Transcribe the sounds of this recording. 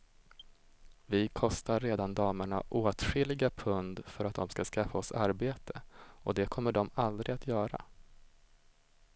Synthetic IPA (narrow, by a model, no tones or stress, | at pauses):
vɪkʰɔst̪aɾːeːd̪and̪ɑːməɳa̰ʔoːt̪ɧɪlːɪɡapʰɵnd̪fœɾat̪̚d̪ɔmskaskafːaɔsaɾbeːt̪ʰə̥ɔd̪ɛkʰɔmːəɖɔmald̪ɾɪat̪ʰjœːɾa̰